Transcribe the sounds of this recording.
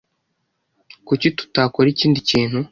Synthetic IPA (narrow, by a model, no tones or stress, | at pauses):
kucitu̥taːkoɾiciːndiciːn̥hu